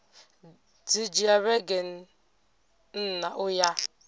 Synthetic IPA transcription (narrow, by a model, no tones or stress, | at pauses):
d͡zid͡ʒiaɾeɡen̩ | n̩naʔʊja